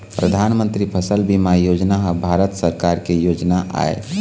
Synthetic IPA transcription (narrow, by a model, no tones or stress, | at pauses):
pɾəd̪ʱanmə̃nt̪ɾipʰəsəlbimajod͡ʒnaɦbʱaɾət̪səɾkaɾkejod͡ʒnaʔa̰ḛ